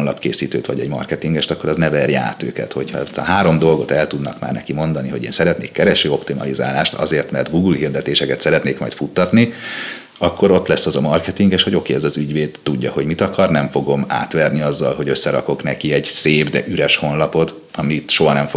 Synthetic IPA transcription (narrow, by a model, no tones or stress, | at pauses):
nlɒpkeːsiːt̪øːt̪ʋɒ̰ɟɛ̰ɟmɒ̰rkɛt̪iŋɡɛʃt̪ɒkːo̞ɾɒznɛvɛrja̰ːt̪ø̰ːkɛ̰t̪ho̞̰chɒɛst̪ɒɦaːɾo̞md̪o̞lɡo̞t̪ɛlt̪ud̪nɒkma̰ːrnɛkimo̞nd̪ɒniɦo̞ɟḛːnsɛɾɛt̪neːkːɛɾɛʃøːo̞pt̪imɒ̰liza̰ːlaːʃt̪ɒ̰zeːrt̪mɛrd̪ɡuːɡulhird̪ɛt̪eːʃɛkɛt̪sɛɾɛt̪neːkmɒ̰jt̪fut̪ːɒt̪ni | ɒkːo̞ɾo̞t̪lɛsːɒzɒmɒrkɛt̪iŋɡeʃhoɟo̞keːɛzɒzyɟʋeːd̪t̪uɟːɒho̞ɟmit̪ɒkɒrnɛɱfo̞ɡo̞ma̰ːt̪ʋɛrniɒzːɒlho̞ɟø̞sːɛɾɒ̰ko̞knɛkiɛɟ̥seːbd̪ɛʔyɾɛʃhonlɒpo̞t̪ | ɒmit̪ʃo̞ɦɒnɛɱfo